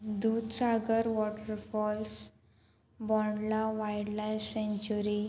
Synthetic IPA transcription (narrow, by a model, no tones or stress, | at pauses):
d̪ud̪saɡəɾʋɔʈəɾfɔls | bɔɳlaʋajɖlajfsẽɲt͡ɕuɾi